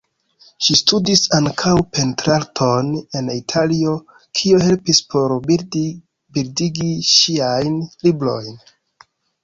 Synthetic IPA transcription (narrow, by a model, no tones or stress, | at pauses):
ʃistudisaŋkʰawpe̞ntɾaltʰo̞ne̞nitʰalio̞ | kʰioɦe̞lpispʰo̞ɾ | biɾdiɡiʃiajnlibɾo̞̰jn